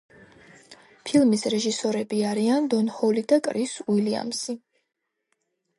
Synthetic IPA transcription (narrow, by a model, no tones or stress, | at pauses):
pʰilˠmisɾɛʒisɔɾɛbiaɾiand̪ɔnhɔlid̪akʼɾiswilia̰msi